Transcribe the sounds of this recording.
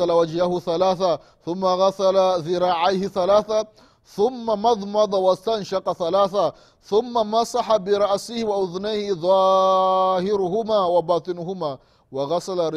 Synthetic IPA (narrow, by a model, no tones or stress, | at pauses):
alawad͡ʒhahʊθalaːθa | θʊmːaɣasalazɪɾˤɑːʕajhɪθalaːθa | θʊmːamɑðˤmɑd̪ˤɑwast̪anʃɑqɑθalaːθa | θʊmːamɑsˤɑħabɪɾˤɑʔsɪhwaʔʊðnajhɪðˤɑː | hɪɾʊhʊmaːwabɑːt̪ˤɨnʊɦʊmaː | wɑɣasalaɾ